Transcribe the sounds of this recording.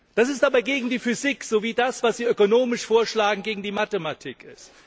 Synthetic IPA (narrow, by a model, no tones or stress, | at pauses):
d̥as̬ɪstʔaːbaɐɡeːɡŋ̩diːfyzikz̥oviːdasv̥asz̥iːøkonoːmɪʃfoːɐʃlaːɡŋ̩ɡeːɡŋ̩diːmatematʰiːkʰɪ̰st